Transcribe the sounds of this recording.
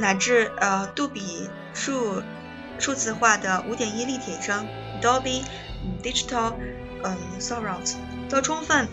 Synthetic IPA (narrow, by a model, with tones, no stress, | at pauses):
na˨˩ʈ͡ʂɻ̩˥˧ə˧t̪u˥˩pi˨˩ | ʂu˥˧ | ʂu˥˧t͡sɹ̩˥˧xwa˥˩d̪ə˩u˧˥t̪jɛ˨˩ni˥li˥˩t̪ʰjɛ˨˩ʂɤ˥ŋ | t̪ɑ˥ʊpi˥˩ | d̪i˥ʈ͡ʂi˧t̪ʰɑ˥˩l | ə˥˩sɔ˥pɹa˨˩s | t̪ʊʈ͡ʂʰʊ˥ŋfə˥˩n